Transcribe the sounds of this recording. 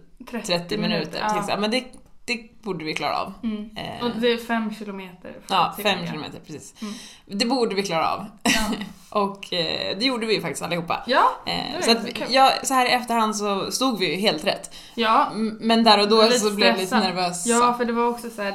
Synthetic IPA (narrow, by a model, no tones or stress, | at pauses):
t̪ʰɾɛt̪ʰɾɛt̪ːɪmɪnʉ̟ːt̪ə̰ɾʰɪsa̰mɛnd̪ɛd̪̥ɛbuːɖəvɪkʰlɑ̰ːɾa̰ɑ̰ːv | d̪ɛfɛmːɕɪlʊmeːt̪ə̰ɾɑːfɛmːʃɪlʊmḛːt̪əɾpʰɾɛsiːs | d̪ɛbuːɖəvɪkʰlɑːɾaɑ̰v | ʔɔkd̪ɛjuːɖəvɪjɵfak̚t̪ɪ̥st̪alːɪhuːpːa̰j̰sɔat̪jɑːsɔhæːɾɪɛft̪əɾhand̪sɔst̪uːɡvɪjɵɦeːlt̪ɾɛ̰t̪ː | jmɛnd̪æːɾɔd̪ɔːsɔblɛvɛliːt̪ənæɾvøːsfœɖɛvaɾɔksɔsæː